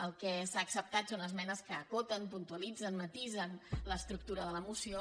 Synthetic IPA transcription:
əlˠkɛsaːksəp̚t̪at̪sonəzmɛnəskəːkot̪ənpunt̪uəlid͡zənmət̪izənləst̪ɾuk̚t̪uɾəðələmusio

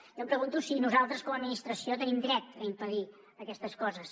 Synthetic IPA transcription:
jompɾəɣunt̪usinuzalˠt̪ɾəskɔməd̪minist̪ɾəsiot̪ənimd̪ɾɛt̪əimpəð̞i | əkɛst̪əskɔzəs

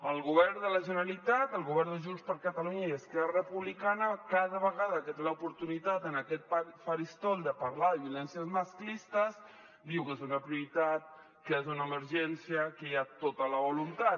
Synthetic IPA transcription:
əlˠɣuβɛrd̪ələʒənəlit̪at̪əlˠɣuβɛɾnd̪əʒunspəɾkət̪əluɲəiəskɛrrəpuβlikanəkaðəβəɣaðəkət̪eləupuɾt̪unit̪at̪ənəkɛt̪̚pafaɾist̪ɔlˠd̪əpaɾlaðəβiulɛnsiəzməsklist̪əz | d̪iwkezunəpɾiuɾit̪at̪̚ | kezunəːməɾʒɛnsiəkəjat̪ot̪ələβulunt̪at̪̚

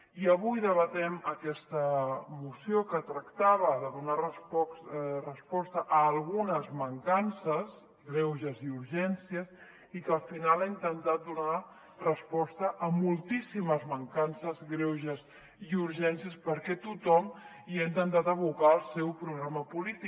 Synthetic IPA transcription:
iəβujðəβət̪ɛməkɛst̪əmusijokət̪ɾəkt̪aβəðəðunarə | rəspɔst̪əʔəːlˠɣunəzməŋkansəs | ɣɾɛwʒəziuɾʒɛnsiəs | ikəlˠfinalaint̪ənt̪at̪̚d̪una | rəspɔst̪əʔːmulˠt̪isiməzməŋkansəzɣɾɛwʒəs | iuɾʒɛnsiəspəɾkɛt̪ut̪ɔm | iaint̪ənt̪at̪əβukaəlˠsɛwpɾuɣɾaməpulit̪i

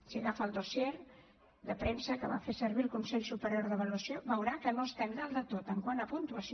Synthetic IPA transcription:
siɣafəlˠd̪oseɾ | d̪əpɾemsəkəβa̰fesəɾβilˠkunsɛʎsupəɾjoɾðəβəluəsioβəwɾakənost̪enɾalˠd̪ət̪ot̪əŋkwanəpunt̪uəs

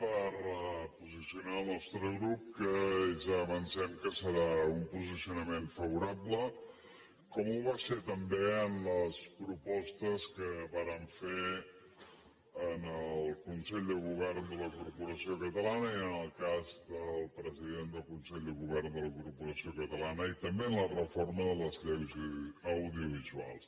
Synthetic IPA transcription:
pəɾpuzisiunaəlˠnɔst̪ɾəɣɾup̚kəzəβənsɛmkəsəɾaumpuzisiunəmeɱfəβ̞uɾablə | kɔmuβaset̪əmbeənləspɾupɔst̪əskəβaɾəɱfe | ənəlˠkunsɛʎd̪əɣuβɛrnd̪ələkuɾpuɾəsiokət̪əlanəiənəlˠkazd̪əlˠpɾəziðend̪əlˠkunsɛʎd̪əɣuβɛrnd̪ələkuɾrpuɾəsiokət̪əlanəit̪əmbeənlərəforməðələzʎɛwzəwðiuβ̞izua̰lˠs

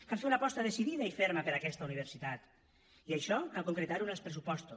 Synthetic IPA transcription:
kalfeunapɔst̪əðesiðiðaifeɾməpeɾakɛst̪əuniβ̞eɾsit̪at̪ | iajʃɔkalˠkoŋkɾet̪aɾunəlˠspɾes̬upɔst̪o

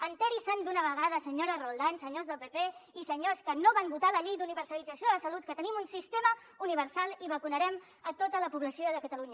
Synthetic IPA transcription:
ənt̪ɛɾisənd̪unəβ̞əɣ̞aðəsəɲoɾərolˠd̪ansəɲozðəlˠpepeisəɲoskənoβambut̪aləʎejd̪uniβəɾsəlid͡zəsioððəsəlut̪̚kət̪ənimunsist̪emə | uniβ̞əɾsalˠiβəkunəɾɛm | ət̪ot̪ələpuβləsioðəkət̪əluɲə

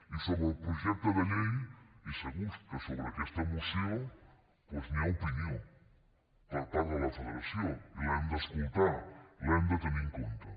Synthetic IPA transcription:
isoβɾeopɾoʒɛk̚t̪oðelejiseβust̪ɐsoβɾeakest̪ɐemoseowŋ | pwezmiaopinjõŋ | palt̪aðolɐfeleɾasjõŋiand̪ɐeskult̪aɾiand̪ɐt̪emĩŋkõnt̪ɐ

